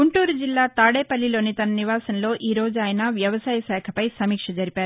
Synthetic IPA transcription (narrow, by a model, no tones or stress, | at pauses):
ɡuɳʈuːɾud͡ʒilːaːt̪aːɽeːpɐlːilo̞ːnit̪ɐnɐniʋaːsɐnlo̞ːʔiːɾo̞ːd͡ʒuaːjɐnɐʋjɐʋɐsaːjɐsɛːkʰɐpɐjsɐmiːkʂɐd͡ʒɐɾipaːɾu